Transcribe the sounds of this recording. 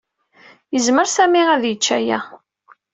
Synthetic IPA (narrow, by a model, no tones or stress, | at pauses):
jəzməɾsæmiʁæðjət͡ʃːæjæ̰